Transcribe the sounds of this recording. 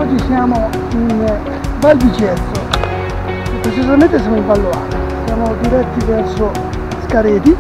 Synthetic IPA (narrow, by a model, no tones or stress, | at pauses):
ɔd͡ʒːisjaːmo | in | balbid͡ʒɛt̪ːo | epɾet͡ʃizamẽnt̪es̬jamoimbalːoa̰t̪osjaːmod̪iɾɛt̪ːivɛrso | skaɾeːd̪i